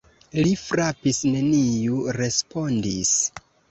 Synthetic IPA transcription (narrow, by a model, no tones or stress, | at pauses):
lifɾapisne̞nijuɾe̞spo̞ndis